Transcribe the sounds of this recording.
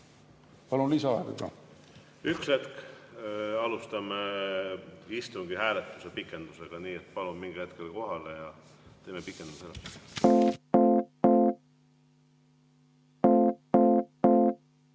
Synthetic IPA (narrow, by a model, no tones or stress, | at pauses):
pɑlunlisɑɑeɡ̥ɑ̰kɑ̰ | ykset̪k | ɑlust̪ɑme | ist̪uŋɡ̥ihæːlet̪ːˑusepikːˑe̞nd̪̥useɡ̥ɑniːet̪pɑlummiŋɡ̥ihet̪kelko̞ɦɑlejɑ | t̪e̞ːmepikːˑend̪uselːes